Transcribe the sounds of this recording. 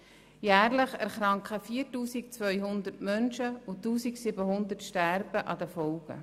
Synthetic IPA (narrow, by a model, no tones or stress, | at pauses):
jæːrləχæɾχɾɑŋkχəfiːəɾtuːsik̚t͡svœʏɦʊnd̪ətmœnʃəʊtuːsiksɪbəɦʊnd̪ətʃtæɾb̥əʔɑd̪əfɔʊɡ̥ə̰